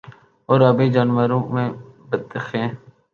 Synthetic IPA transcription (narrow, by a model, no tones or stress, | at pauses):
oːɾəbẽːd͡ʒaːnʋəɾõːmẽːbət̪ːəxẽː